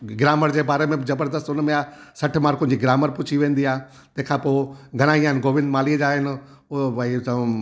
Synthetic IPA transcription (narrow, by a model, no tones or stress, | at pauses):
ɡɾaːməɾd͡ʑeːbaːɾemẽzɐbəɾd̪əst̪ʊnmẽasɐʈʰmaːɾkõd͡ʑiɡɾaːməɾpʊt͡ɕʰiʋẽːn̆d̪iaː | t̪ɐ̃ɦɪ̃kʰãːpoːɡʱɐɽ̃aːiaːɦɪnɡoːʋɪ̃nd̪maːlid͡ʑaːɦɪn | ɐi